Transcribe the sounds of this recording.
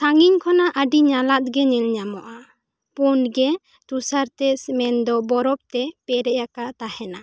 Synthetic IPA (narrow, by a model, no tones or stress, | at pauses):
saŋiɲkʰɔnaʔəɖiɲalat̪̚ɡɛɲɛlɲamɔʔa | punɡɛ | t̪usaɾt̪ɛsmɛnd̪ɔbɔɾɔp̚t̪ɛpɛɾɛjakat̪ahɛna